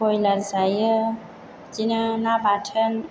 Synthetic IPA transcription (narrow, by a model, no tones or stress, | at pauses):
ojləɾzajə | d͡ʒinənabatʰən